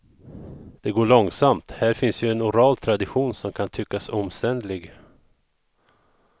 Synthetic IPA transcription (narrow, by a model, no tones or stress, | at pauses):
d̪̥ɛɡoːɭɔŋsamt̪hæːɾfɪnsjɵɛnʊɾɑːlt̪ʰɾad̪ɪɧuːnsɔmkʰant̪ʰʏkːasɔmst̪ɛnd̪lɪɡ